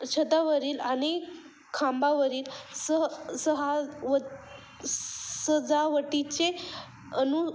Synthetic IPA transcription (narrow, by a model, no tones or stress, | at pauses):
t͡ɕʰət̪aʋəɾiːlañi | kʰãmbaʋəɾiːlsəsəɦaʋə | səd͡zaʋəʈit͡ɕe | ənu